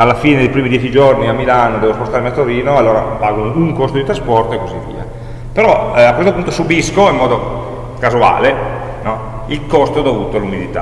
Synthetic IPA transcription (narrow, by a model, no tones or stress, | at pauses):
alːafiːned̪ejpɾiːmid̪jɛt͡ʃid͡ʒorniamːilanod̪ɛːvospost̪aːɾemiat̪oɾiːnoalːoːɾa̰paːɡonouŋkost̪od̪it̪ɾaspɔrt̪oekːozivːḭːa̰ | peɾɔakːwest̪opunt̪osubiskoimːɔːd̪o | kazua̰ːle | nɔ | ilkost̪od̪ovuːt̪oalumid̪it̪a̰